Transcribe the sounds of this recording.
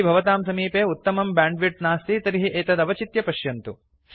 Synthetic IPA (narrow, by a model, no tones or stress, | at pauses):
bʱɐʋɐt̪aːmsɐmiːpeːut̪ːɐmɐmbaːɳɖʋiʈ̚naːst̪it̪ɐɾiɦiʔeːt̪ɐd̪ɐʋɐt͡ʃit̪jɐpɐʃjɐnt̪u